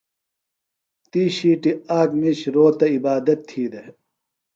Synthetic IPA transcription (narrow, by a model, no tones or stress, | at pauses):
t̪iːɕiːʈiaːkmiɕɾoːt̪ɐibaːd̪ɐt̪ʰːiːd̪e